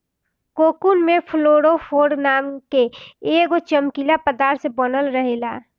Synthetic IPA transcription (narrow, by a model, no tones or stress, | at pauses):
koːkunmẽpʰloːɽofʰoːɖnaːmkeeːɡot͡ʃəmkilapəd̪aːɾsebɔnəlɾəɦelaː